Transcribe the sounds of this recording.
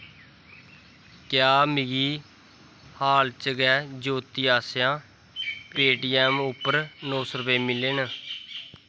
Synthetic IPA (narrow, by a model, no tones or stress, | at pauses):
kjaːmɪɡiː | haːlt͡ʃəɡɛːd͡ʒoːt̪iːaːsjãː | peːʈiːɛːmʊpːəɾnoːsəɾbeːmɪleːn